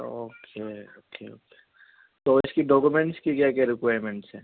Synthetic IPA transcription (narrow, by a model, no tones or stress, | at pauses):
oːkʰeoːkeo̰ːke | t̪oɪskiɖɔːkumẽɳʈskikjakɛɾɪkwaːɾmẽɳʈsɦɛ̰̃ː